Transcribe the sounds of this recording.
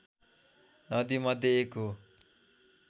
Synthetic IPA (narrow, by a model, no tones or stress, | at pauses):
nʌd̪imʌd̪ʱːjeekɦo